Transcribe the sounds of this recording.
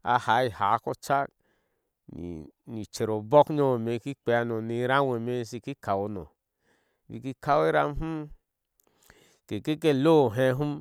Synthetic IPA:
a̰˦˧ha˨˦i˨ha˨˦ko˦t͡ʃa˦k | nḭ˨ni˨t͡ʃe˨ɾo˨bɔ˦kɲo˧wo˨me˨˧ki˦k͡pe˧a˧no˨ni˨˦ɾa˦we˨me˧si˧ki˦ka˨wo˧no̰˨ | vḭ˧˨ki˦ka˦we˦ɾa̰˧m˦ɦu˦ | ke˨ke˦k̬e˦˨lo˦˨ɦe˧˦ɦu˦m

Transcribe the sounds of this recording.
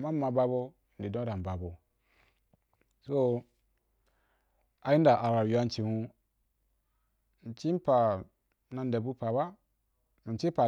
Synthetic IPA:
ma˦ma˨ba˦bo˦˨ | n̩˨di˨dõ˦ɾa˨ba˨bo˨ | so˦ | a˨ji˦n˦da˨ʔa˨wa˨ɾjo˨˦a˦n˦t͡ʃi˨hu˦ | n̩˨t͡ʃi˦m̩˦pa˨˦ | na˨n˦de˨bu˦pa˨ba˦ | m˨t͡ʃi˦pa˨

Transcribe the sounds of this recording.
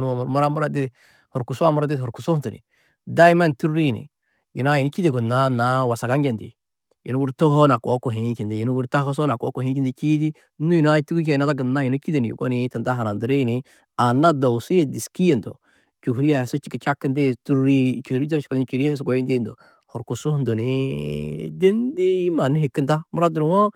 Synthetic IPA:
n˦˨ma˦ɾa˦mʊ˦ɾa˦dɪ˦ | hʊ˨ɾku˨sa˦m˦ɾa˦dɪ˦hɔ˨ɾku˨so˦tu˨nḭ˨ | da˦jma˦ntu˦ɾɾi˦˨nḭ˨ | jḭ˨na˦ji˨no˦t͡ʃi˦de˨ɡu˨nːa˦na˦wa˨sa˨ɡa˦ŋɡe˨ndḭ˨ | jḭ˨no˦wu˦ɾto˦ho˦na˨ko˨˦ko˨ɦe˨˦ki˨ndi˨jɪ˨nu˦wu˦ɾta˦ho˦s̬o˦na˨ko˦ko˨hẽ˦ki˦ndi˦ki˦di˦ | u˦i˨na˦tu˦ku˦k̬e˨na˦ta˦ɡə˨nːa˦ji˨no˦ki˦de˨n˨j̰ko̰˦nɪ˦tɪ˨nda˦ɦa˨na˨ndu˨ɾi˦nɪ˨ | a˨na˦do˨wsi˦e˦˨di˨ski˦e˨ndo̰˨ | t͡ʃu˨hɾi˦ja˨so˦t͡ʃi˦ki˨t͡ʃa˦kːɪ˦ndi˦tu˦ɾɾi˦t͡ʃo˨ɾi˦o˦t͡ʃi̥˨ko˦n˦t͡ʃi˨ɾi˦e˦s̬ɡo˦ji˦nde˦ndo̰˨ | hɔ˨ɾku˨su˦ndo˨ni˦ | de˦ndi˦ji˦ma˨ni˦hi˨kːi˦nta˦mu˦ɾa˦dɾwo˦

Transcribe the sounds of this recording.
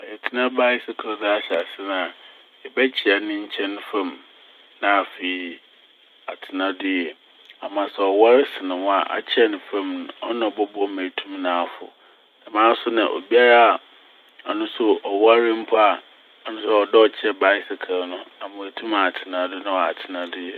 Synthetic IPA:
ɔ˨jɛ˨tʰɪ˨˦nã˦ba˦ɪ˦sɪ˦kʰa˨˦dɪ˦a˦ɕa˨sɪ˦nã˨ | ɛ˨bɛ˦t͡ɕʰɪ˨a˨nɪ̃˦ɲ̩˦t͡ɕʰɛ̃˦n˦fã˦m | nã˦a˨fe˨˦˨ | a˨tʰɪ˨nã˦dɪ˦jɛ˨ | a˨mã˨sɛ˨ɔ˨wa˦ɾɪ˦sɪ˨nɪ̃˨wa˨ʔa̰˨t͡ɕʰɛ˦nɪ̃˨fã˦mnʊ̃˨ɔ˦nã˨bɔ˦bɔ˦mæ̃˨tʰũ˦mnã˨a˨fʊ̰˨ | nã˨mãː˦sʊ˦nã˨ʔo̰˨bi˦a˦ɾa˦a˨ | a˨nʊ̃˦sʊ˦ɔ˨wa˦ɾɪ˦m̩˦pʰʊ˦a˨ | a˨nʊ̃˦sʊ˦˨ɔ˨dɔ˦ɔ˨t͡ɕʰɛ˦ba˦ɪ˦sɪ˨kʰa˨˦nʊ̃˦a˨mʊ̃˨æ˨tʰũ˦ma˨tʰɪ˨nã˨dɪ˦nã˦ɔ˨a˨tʰɪ˨nã˦dɪ˦jɛ˨

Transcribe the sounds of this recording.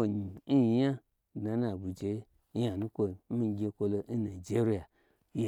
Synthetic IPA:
o˨ɲ˨n̩˦˨ja˦˨ | dna˨na˨bu˨d͡ʒe˨˦ | ja˨nũ˦kʷo˧˦mi˦˧˦ɡʲe˧˦kʷo˧lo˧n̩˦na˨d͡ʒe˦ɾi˦ja˨ | j

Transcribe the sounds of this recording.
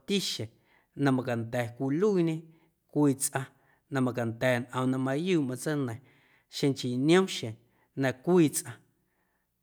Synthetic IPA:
t̪i˦ʃẽ˨ | nã˧mã˧ka˨nt̪ɛː˨kʷi˧lu˦i˧ɲẽ˦ | kʷiː˧t͡sʔã˧ | nã˧mã˧ka˨nt̪ɛː˨nʔə̃˨˧nã˧mã˧juː˦˨mã˧t͡sə˦nə̃˨ | ʃẽ˧ŋt͡ʃi˨nj̃õ˦ʃẽ˨ | nã˧kʷiː˦˧t͡sʔã˧

